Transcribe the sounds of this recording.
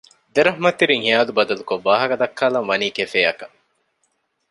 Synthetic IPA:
d̪eɾɐɦmɐt̪ːiɾiŋhijaːlubɐd̪ɐlukoːaːɦɐkɐd̪ɐkʰːaːlɐŋʋɐniːkefeːɐkɐ

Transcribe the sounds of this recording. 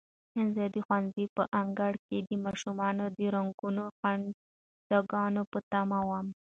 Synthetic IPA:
ɪnzɑd̪ixwanzipəʔaŋɡaɽked̪əmɑʃumɑnod̪əɾaŋɡunoxaɳ | d̪aɡɑnopət̪ɑmawam

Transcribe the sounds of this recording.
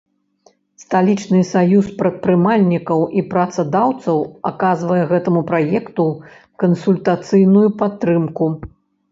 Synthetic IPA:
st̪alʲit͡ʂnɨsajuspɾɐt̪̚pɾɨmalʲnʲikɐwʔipɾɐt̪sɐd̪awt̪sɐwa̰kazvɐjɛɣɛt̪ɐmupɾajɛkt̪u | kɐnsulʲt̪at̪sɨjnujupat̪ːɾɨmku

